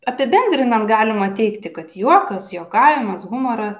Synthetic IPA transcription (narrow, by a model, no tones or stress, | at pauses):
ɐpʲɪbʲɛnʲd̪ʲɾʲɪnɐnt̪̚ɡɑːlʲɪmɐt̪ʲɛɪkt̪ʲɪkɐt̪juɔkɐsjoːkɑːʋʲɪmɐsɣʊmɐɾɐs